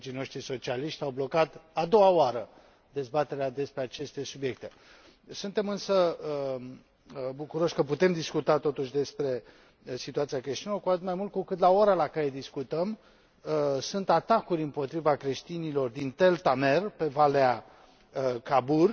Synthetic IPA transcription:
d͡ʒijno̞ʃt̪ɾiso̞t͡ʃialiʃt̪sʲawblo̞kat̪ad̪o̞waoaɾə | d̪e̞zbat̪e̞ɾead̪e̞spɾe̞at͡ʃe̞st̪e̞subje̞k̚t̪e̞ | sunt̪e̞mɨnsəə | bukuɾo̞ʃʲkəput̪e̞md̪iskut̪at̪o̞t̪uʃ̬ʲd̪e̞spɾe̞ | sit̪uat̪siakɾeʃt̪inlokuat̪ɨt̪majmult̪̚kukɨt̪laoɾalakaɾe̞d̪iskut̪əm | sunt̪at̪akuɾʲɨmpo̞t̪ɾivakɾe̞ʃt̪inilo̞rd̪int̪e̞lt̪ame̞rpe̞valea | kabur

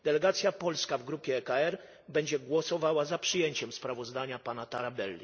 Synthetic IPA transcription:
d̪̥ɛlɛɡat̪sʲjapɔlskavɡɾupʲjɛːkaɛɾ | bɛɲd͡ʑɛɡwɔsɔvawazapʂɨjeɲt͡ɕɛmspɾavɔzd̪aɲapanat̪aɾabɛlːʲi

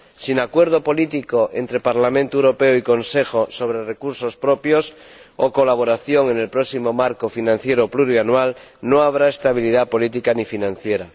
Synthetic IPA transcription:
sinakwe̞ɾð̞opo̞lit̪ikoʔe̞̰nt̪ɾe̞paɾlamẽnt̪oewɾo̞pe̞oiko̞nse̞xoso̞β̞ɾerekuɾso̞spɾopjos | okolaβ̞oɾaθjoŋe̞ne̞lpɾosimo̞maɾkofinãnθje̞ɾopluɾianwalnõaβ̞ɾaest̪aβ̞ilið̞apo̞lit̪̬ikanifinãn̟θje̞ɾa

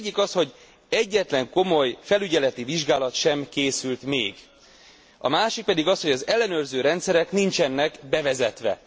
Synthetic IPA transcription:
ɟːikɒsho̞ɟ | ɛɟːɛt̪lɛŋko̞mo̞jfɛlyɟɛlɛt̪iviʒɡaːlɒt̪ʃɛmkeːsylt̪mḛːɡ | ɒ̰maːʃik̚pɛd̪iɡɒsho̞ɟɒzɛlːɛnøːrzøːɾɛnt̪sɛɾɛknint͡ʃɛnːɛkbɛvɛzɛt̪ʋɛ̰

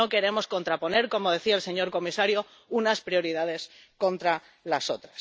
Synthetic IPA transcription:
o̞ke̞ɾe̞mo̞sko̞nt̪ɾapo̞ne̞ɾko̞mo̞ð̞e̞θiaelse̞ɲo̞ɾko̞misaɾjo̞ | unaspɾjo̞ɾiðað̞e̞s | ko̞nt̪ɾa | laso̞t̪ɾas

